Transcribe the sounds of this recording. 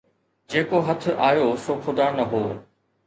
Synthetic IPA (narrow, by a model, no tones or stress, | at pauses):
d͡ʑeːkoɦɐt̪ʰʊ̆ʔaːjosoːxʊd̪aːnɐɦoː